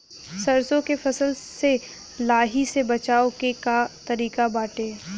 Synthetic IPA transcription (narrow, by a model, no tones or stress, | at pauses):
sɐɾsõkefʰɐsəlse | laːɦisebɐt͡ʃaːokekat̪ɐɾiːkabaːʈeː